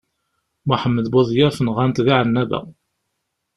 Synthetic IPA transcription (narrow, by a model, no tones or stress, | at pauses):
maħəmːəðbɑðˤjæɾfənʁant̪ɣaʕənːæðæ̰